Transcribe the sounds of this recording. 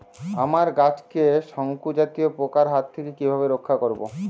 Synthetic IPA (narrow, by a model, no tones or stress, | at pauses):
amaɾɡat͡ɕkeʃɔŋkud͡ʑat̪iopokaɾɦat̪ʰːekekibʱabeɾokʰːakoɾbo̰